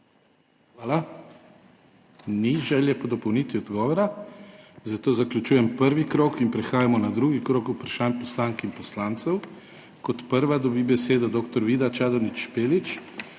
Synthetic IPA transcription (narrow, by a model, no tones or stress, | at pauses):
xʋaːla | niʒɛːljɛpɔd̪ɔpɔwnit̪ʋiɔd̪ɡɔːʋɔɾa | zat̪oːzaklʲjut͡ʃuːjɛmpəɾʋikɾoːkinpɾɛxaːjamɔnad̪ɾuːɡikɾoːkupɾaʃanpɔslaŋkinpɔslaːnt̪sɛw | kɔt̪pəɾʋad̪ɔbibɛseːd̪ɔd̪oːkt̪ɔɾʋiːd̪at͡ʃaːd̪ɔnit͡ʃːpeːlit͡ʃ